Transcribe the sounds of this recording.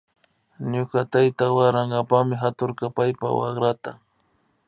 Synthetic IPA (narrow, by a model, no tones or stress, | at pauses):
ɲʊkat̪ajt̪awaɾaŋɡapamɪɦat̪ʊɾkapajpa̰wɑ̰χɾat̪a